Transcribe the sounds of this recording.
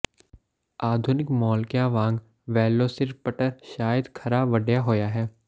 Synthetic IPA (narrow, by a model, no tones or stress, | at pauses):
aːd̪ʱʊnɪkmɔːlkjãʋãːŋɡ | ʋɛːlːoːsɪɾpəʈəɾʃaːjəd̪kʰɐɾaːʋəɖjaɦoːjaɦɛː